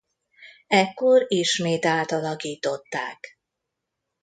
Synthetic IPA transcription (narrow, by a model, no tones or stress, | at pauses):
ɛkːo̞ɾiʃmeːt̪aːt̪ɒlɒkiːt̪o̞t̪ːa̰ːk